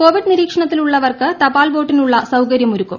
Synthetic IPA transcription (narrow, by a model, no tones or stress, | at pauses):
ko̞ːʋiɖniɾiːkʂɐɳɐt̪ːiluɭːɐʋɐrkɨt̪ɐbaːlʋoːʈːinuɭːɐsɐwkɐɾjɐmuɾukːum